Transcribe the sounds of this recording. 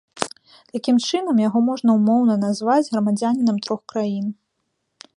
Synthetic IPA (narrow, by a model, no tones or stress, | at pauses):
t̪akʲimt͡ʂɨnɐmjaɣɔmɔʐnɐumɔwnɐnazvad͡zʲɣɾɐmad͡zʲanʲinɐmt̪ɾɔxkɾajin